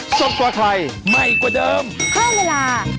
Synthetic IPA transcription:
so˨˩p̚kwaː˨˩kʰla˧jma˧˩jku˧˩dɤː˧mkʰɔː˥˩weː˧laː˧˩

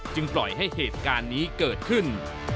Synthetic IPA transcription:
t͡ɕɯ˧ŋplɔ˨˩jɦa˥˩jɦeː˨˩t̪̚kaː˧nːiː˦˥kɤː˨˩t̪̚kʰɯ˥˩n

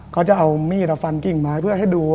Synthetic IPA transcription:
kʰaː˦˥wt͡ɕa˨˩ʔa˧wmiː˧˥˩ɾa˧fa˧nki˨˩ŋmaː˦˥jpʰɯ˥˩ɐɦa˥˩jduː˧

